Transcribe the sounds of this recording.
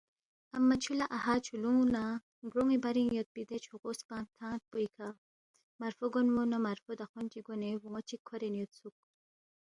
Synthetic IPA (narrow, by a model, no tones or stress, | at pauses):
ɐmːat͡ʃʰulaʔahat͡ʃʰuluŋuna | ɡɾoŋibaɾiŋjot̪̚pid̪et͡ʃʰoɣospãːt̪ʰãːt̪̚pojkʰa | maɾfoɡonmunamaɾfod̪axɔnt͡ʃiɡonewuŋot͡ʃikʰːɔɾenjot̪suk̚